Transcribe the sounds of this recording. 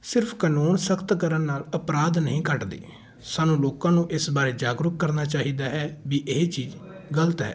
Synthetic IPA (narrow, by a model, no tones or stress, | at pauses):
sɪɾpʰkənoːnsəkt̪kəɾənːaːləpɾaːd̪nəɦĩːkəʈd̪ḛː | saːnũːloːkãːnũːʔɪsbaːɾeːd͡ʒaːɡɾʊk̚kːəɾnaːt͡ʃaːɦiːd̪aːɦɛːʋiːʔeːt͡ʃiːd͡ʒɡələt̪ɦɛ̰ː